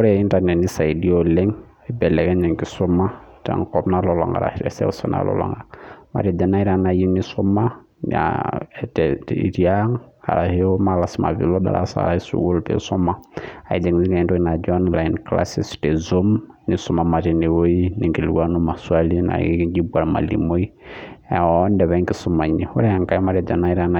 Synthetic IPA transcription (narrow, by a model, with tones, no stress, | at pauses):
ɔ˦ɾɛi˦nta˨nɛ˨ni˦sa˨i˨di˦olɛ˦ŋ | i˦bɛ˨lɛ˨ɡɛ˦ɲɛ˨ŋki˨sɔ˦ma˦tɛ̰˨ŋkɔ˦bna˦lɔ˨lɔ̰˨ŋɡa̰˨ɾa̰˨ɾɛ̰˨sɛ̰˦u˨sa̰˦na̰˨lɔ̰˨lɔ̰˨ŋɡa˨ama̰˨ɾi˨dɛ˨na˦i˦ɾa˦na˨ji˦ni˦sɔ˦ma˦ | n̰a̰tɛḭ˨ɾi˦a˦ŋa̰˨ɾa˨hi˦o˦ma˨la˨si˦ma̰˨vḭ˨lo˦da̰˨ɾa̰˦sa̰˨ɾa˦i˦sṵ˨wo˦lpḛ˨sɔ˦ma˦a˨i˨d͡ʒe˨ŋ˨zi˦ŋe˨ndo˦i˦na˨d͡ʒɔ˦nla˨inkla̰˦si˦ste˨zo˦mni˨su˦ma˨ma˨ɾi˨ne˨wo˦i˦ni˨ŋki˨li˨wa˦nu˦ma˨su˦a˦li˦na̰˨˦i˦ki˦ɡi˦bua˨ɾma̰˨lḭ˨mo˦i˦˨ | ɔn˦dɛ˨βɛ˦ŋki˦su˦ma˨ɲi˨ho˦ɾa˨ŋka˦i˦ma˨ɾɛ˨d͡ʒa˨na˦i˦ɾa˦na˨